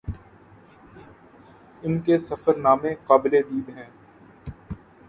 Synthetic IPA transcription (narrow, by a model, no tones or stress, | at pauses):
ɪnkesɐfəɾnaːmẽqaːbɪled̪iːd̪ɦɛ̃ː